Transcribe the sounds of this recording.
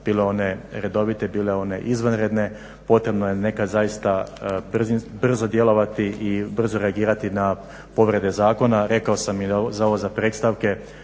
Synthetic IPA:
b̥iːleo̞ne̞ɾe̞d̪o̞ʋit̪e̞biːle̞o̞nḛʔizʋanɾed̪ne̞ | po̞t̪ɾe̞bnoje̞ne̞kad̪zajist̪abrzbr̩zo̞d̪je̞lˠo̞ʋat̪iʔibr̩zoɾeaɡiːɾat̪ina | po̞ʋɾe̞d̪e̞zaːko̞naɾe̞kaosamizao̞ʋozapɾeːt̪st̪aʋke̞

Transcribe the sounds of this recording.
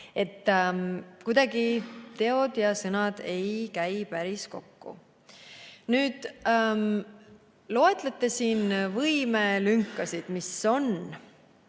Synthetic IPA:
e̞t̪ː | kujd̪̥ɑɡit̪e̞o̞d̪jɑsɤnɑd̪̥e̞jkæjpæɾisko̞̰kːṵ | nyːd̪̥m | lo̞et̪ˑlet̪ːˑe̞siːnvɤjmelyŋkːˑɑsid̪̥miso̞n

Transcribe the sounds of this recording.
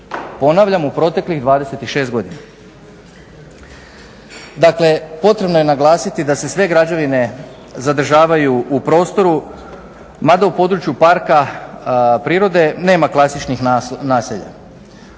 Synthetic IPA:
po̞naʋʎamupɾo̞t̪e̞kliɣd̪ʋaːd̪e̞se̞t̪iʃe̞sɡo̞d̪ina | d̪akle̞po̞t̪ɾe̞bno̞je̞naɡlˠaːsit̪id̪ase̞sʋe̞ɡɾad͡ʑaʋine̞ | zad̪r̩ʒaːʋajuupɾo̞ːst̪o̞ɾu | mad̪aupo̞d̪ɾut͡ʃjupaɾka | pɾiːɾo̞d̪e̞ne̞ːmaklˠasit͡ʃnixnaːseʎa̰

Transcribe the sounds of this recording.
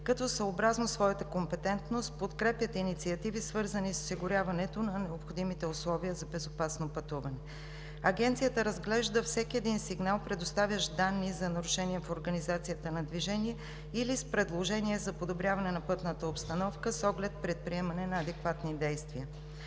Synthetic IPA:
kɐt̪ɔsəobɾaznosvɔjət̪əkompɛt̪ɛnt̪nost̪̚pot̪kɾɛpjət̪init̪siɐt̪ivisvɤɾzəniso̥siɡʊɾʲjavɐnɛt̪onɐnɛopxod̪imit̪ɛʊslˠɔviəzɐbɛzopasnopɐt̪uvɐnɛ | ɐɡɛnt̪sijət̪əɾəzɡlɛʒd̪əfsɛkʲiɛd̪insiɡnalˠpɾɛd̪ost̪avʲjəʒd̪anːizɐnɐɾuʃɛniɛfoɾɡɐnizat̪sijət̪ənɐd̪viʒɛniɛ | ilispɾɛd̪lˠoʒɛniɛzɐpod̪obɾʲjavɐnɛnɐpɤt̪nət̪əopst̪ɐnɔfkəsɔɡlɛt̪̚pɾɛt̪̚pɾiɛmɐnɛnɐːd̪ɛkvat̪nid̪ɛjst̪viə

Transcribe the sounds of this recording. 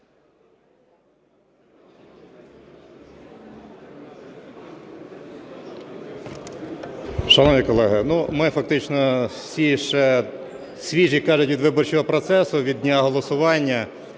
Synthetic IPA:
ʃɐnɔʋʲikɔlˠɛɦɪnumɪfɐk̚t̪ɪt͡ʃnɔsʲiʃɛ | sʲʋʲiʒikɑʒʊtʲʋʲid̪ʋɪbɔrt͡ʃɔɦɔpɾɔt̪sɛsʊʋʲid̪̚ʲnʲaɦɔlˠɔsʊʋɑnʲːɐ

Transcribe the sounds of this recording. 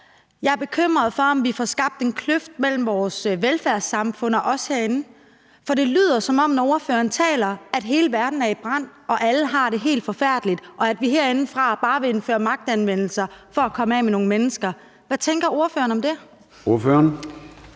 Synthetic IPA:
jɑ̈ɪæɐb̥e̝kʰøm̰ʁɐð̞ˠfɒ̽ɒ̽mʋifɒsɡ̥ɑ̈b̥̚d̥e̝nkʰløfd̥̚mel̰m̩ʋɒːsʋelfæɐsɑ̈mfɔ̽n̰ɒ̽ʔɒ̽sheɐ̰e̝nn̩ | fɒ̽ɾ̥e̝ly̰ːð̰ˠɐsɒ̽mɒ̽m̰nɒo̝ɐfø̰ːɐn̩t͡sʰɛ̰ːlɐæd̥ɦe̝ːləʋæɐd̥n̩æɐib̥ʁɑ̈n̰ɒ̽ʔæləɦɑ̈ɾ̥e̝ɦe̝̰ːld̥fɒ̽fæɐ̰d̥lid̥ʔɒ̽æd̥ʋiɦeɐ̰e̝nn̩fʁɑ̈b̥ɑ̈ːʋe̝e̝nfø̰ːɐmɑ̈ɡ̥̚d̥ænʋen̰l̩sɐfɒ̽ækʰɒ̽mɛ̰meno̝ːŋəmenəsɡ̥ɐ | ʋæt͡sʰeŋɡ̥ɐo̝ɐfø̰ːɐnɒ̽md̥e̝ | o̝ɐføɐn

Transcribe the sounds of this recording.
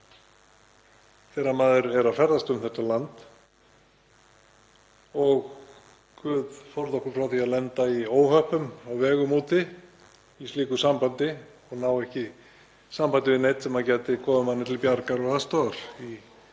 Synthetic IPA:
θɛːɾamaːðʏɾɛɾafɛɾðast̪ʏmθɛt̪ːalant̪ | ɔɣ | kvʏːðfɔɾðɔhkʏɾ̥fɾawθiaðlɛnt̪aioːwhœpʏmawvɛːɣʏmuːt̪ʰɪ | ist̪liːkʏsampant̪ɪ | ɔɣnawɛhcɪ | sampant̪ɪvɪðnejt̪sɛmaðcɛːt̪ɪkʰɔːvʏmanːɪt̪ʰɪlpjaɾkaɾɔɣast̪oaɾ̥i

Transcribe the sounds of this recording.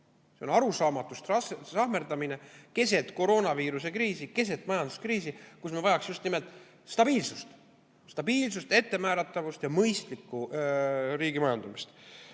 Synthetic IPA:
se̞o̞nɑɾusɑːmɑt̪ːˑust̪ɑssɑhme̞rd̪ɑmine̞ke̞se̞t̪ˑko̞ɾo̞ːnɑviːɾuse̞kɾiːsike̞se̞t̪ːˑmɑjɑnd̪̥u̥skriːs̬ikusmevɑjɑksjust̪nime̞lt̪ːˑ | st̪ɑb̥iːlsust̪ | st̪ɑbiːlsust̪e̞t̪ːe̞mæːɾɑt̪ːˑɑvust̪jɑmɤjst̪likːu | ɾiːɡ̥imɑjɑnd̪̥umist̪

